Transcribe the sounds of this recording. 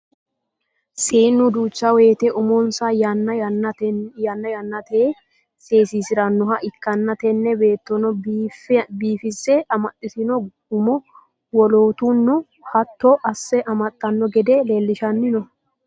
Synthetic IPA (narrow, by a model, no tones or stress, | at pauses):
seːnːʊd̪uːt͡ʃːɐweːt̪ɛʔʊmɔnsajnːɐ | ɐnːɐjɐnːɐt̪eː | seːsiːsɪɾɐnːɔɦɐʔɪkːɐnːɐt̪ɛnːɛbe̞ːt̪ːɔnɔfbiːfɪsːɛɐmɐt̪ʼːɪsɪnɔ | ʊmɔ | wɔloːt̪unːʊ | hɐt̪ːɔʔɐsːɛʔɐmɐt̪ʼːɐnːɔɡɛd̪ɛleːlːɪʃɐnːɪnɔ